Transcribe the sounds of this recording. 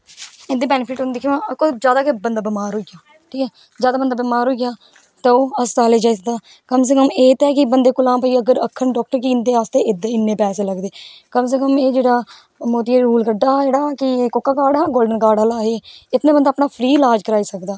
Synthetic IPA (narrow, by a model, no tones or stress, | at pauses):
ɪnd̪eːbɛːnɪpʰɪʈɦond̪eːkʰõãːkozjaːd̪aːkebənd̪aːbɪmaːɾɦoːiɡaː | ʈʰiːkɛː | zjaːd̪aːbənd̪aːbɪmaːɾɦoːiɡjaː | t̪eoːəssaːleːd͡ʒaːid̪aː | kəms̬əkəmeːt̪ɛːkɪbənd̪eːkʊlãːmpaːiːəɡəɾəkʰːəɳɖɔːk̚ʈəɾkiːnd̪eːaːst̪eːɪd̪ɪnːẽːpɛːseːləɡd̪eːkəms̬əkəmeːd͡ʒeːɽaː | moːt̪iɾuːlkəɖːaːd͡ʒeːɽaːkɪkokːaːkaːɽaːɡoːlɖənkaːɽaːlaːɦeːɪt̪nẽːbənd̪aːpnaːpʰɾiːlaːd͡ʒkəɾaːiːsəkd̪aː